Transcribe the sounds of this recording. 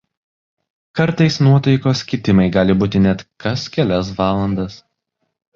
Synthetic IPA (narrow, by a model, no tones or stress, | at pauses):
kɐɾt̪ɐɪsnuɔt̪ɐɪkoːsʲkʲɪt̪ʲɪmɐɪɡɑːlʲɪbuːt̪ʲɪnʲɛt̪kɐskʲɛlʲɛs̬ʋɑːlˠɐnd̪ɐs